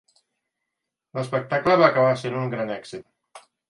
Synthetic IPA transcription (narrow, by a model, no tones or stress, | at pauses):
ləspək̚t̪akləβaːkaβasenuŋɡɾanɛksit̪̚